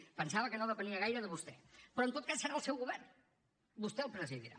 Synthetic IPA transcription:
pənsaβəkənoðəpəniəɣajɾəðəβust̪ɛpɾɔənt̪ot̪̚kasːəɾaəlˠsɛwɣuβɛrn | bust̪ɛəlˠpɾəziðiɾa̰

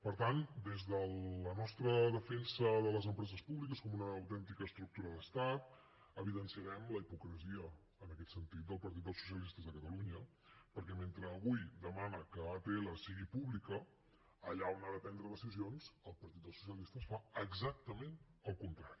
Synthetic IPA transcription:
pəɾt̪and̪ezðələnɔst̪ɾəðəfensəðələzəmpɾɛzəspuβlikəskɔmunəːwt̪ɛnt̪ikəst̪ɾuk̚t̪uɾəðəst̪at̪̚ | əβiðənsiəɾɛmləipukɾəziə | əːnəkɛt̪sənt̪it̪̚d̪əlˠpəɾt̪it̪̚d̪əlˠsu̥s̬ijəlist̪əzðəkət̪əluɲə | pəɾkɛment̪ɾəːβujd̪əmanəkəat̪eeləsiɣipuβlikəː | ʎaonaðəpɛnd̪ɾəðəsizionz̥əlˠpəɾt̪it̪̚d̪əlˠsu̥s̬jəlist̪əsfaəɡzak̚t̪əmenəlˠkunt̪ɾaɾi

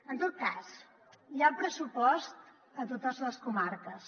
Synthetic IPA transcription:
ənt̪ot̪̚kas | japɾəsupɔst̪ | ət̪ot̪əzləskumaɾkəs

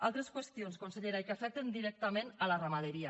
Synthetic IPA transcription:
a̰lˠt̪ɾeskwest̪ionskonseʎeɾaikafɛk̚t̪end̪iɾɛk̚t̪amenalaramaðeɾia

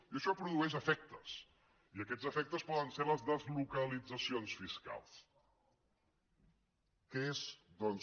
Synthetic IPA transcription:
iəʃɔpɾuðuɛʃ̬əfɛk̚t̪əs | iəkɛzəfɛk̚t̪əspɔðənseɾləzðəzlukəlid͡zəsionsfiska̰lˠs | keezd̪ɔnz

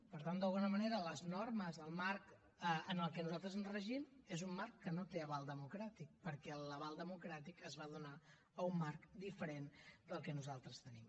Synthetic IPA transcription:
pəɾt̪and̪əlˠɣunəməneɾələznorməzðəlˠmaɾk | əənəlˠkɛnuzalˠt̪ɾəzənzrəʒimezumːarkːənot̪eəβalˠd̪əmukɾat̪ik̚pəɾkɛləβalˠd̪əmukɾat̪ikəzβaðuna | əumːaɾkd̪ifəɾend̪əlˠkɛnuzalˠt̪ɾəst̪ənim

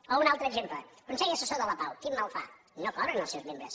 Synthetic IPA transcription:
ounalˠt̪ɾəezempləkunsɛjəsəsoðələpawk̪imːalˠfa̰ | nokɔɾənəlˠsewzmẽmbɾə̰s

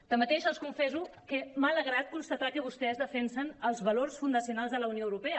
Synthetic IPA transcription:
d̪̥əmət̪eʃəlˠskuɱfɛzukəmaləɣ̞ɾat̪̚kunst̪ət̪akəβ̞ust̪ɛzðəfɛnsənəlˠzβəlorsfund̪əsiunalˠzðələunijoəwɾupɛə

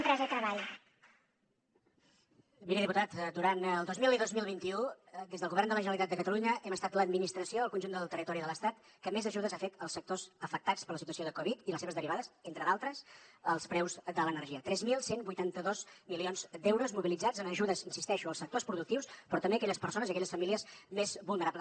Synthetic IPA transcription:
mpɾɛzət̪ɾəβaʎ | miɾeðiput̪at̪d̪uɾanəlˠdozmiliðozmilˠβint̪iu | d̪ezðəlˠɣuβɛrnd̪ələʒənəlit̪at̪d̪əkət̪əluɲəʔɛməst̪at̪ləd̪minist̪ɾəsioəlˠkunʒund̪əlˠt̪ərit̪ɔɾiðələst̪at̪ | kəmezəʒuðəzafet̪əlˠsːək̚t̪ozəfək̚t̪at͡spəɾləsit̪uəsioðəkɔβit̪iləseβəzðəriβaðəzent̪ɾəðalˠt̪ɾəsəlˠspɾɛwzd̪ələnəɾrʒiət̪ɾɛzmilˠsenbujt̪ant̪əðozmilionzd̪ɛwɾuzmuβilid͡zad͡zənəʒuðəzinsist̪ɛʃuəlˠsək̚t̪ospɾuðuk̚t̪iwspɾɔt̪əmbeəkɛʎəspəɾsonəziəkɛʎəsfəmiliəzmezβulˠnəɾaplə

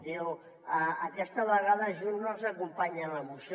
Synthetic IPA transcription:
d̪iw | əəkɛst̪əβəɣaðəʒunnozəkumpaɲələmusj

